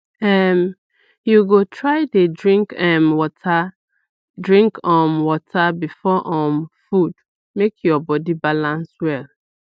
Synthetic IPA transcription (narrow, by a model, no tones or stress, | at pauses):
ɛm | juɡotʰɹaɪdedɹĩŋkɛmwɔtʰa | dɹĩŋkɔ̃mwɔtʰabifɔʔɔ̃mfud̥ | mekʰjɔbɔdibalãnswɛl